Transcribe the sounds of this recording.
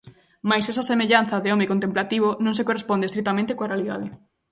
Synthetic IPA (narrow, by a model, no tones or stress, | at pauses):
majsɛsɐsemeʎan̟θɐðeɔmekont̪emplat̪iβ̞onõŋs̬ekorespɔnd̪est̪ɾik̚t̪amẽnt̪ekoarealiða̰ð̞ɪ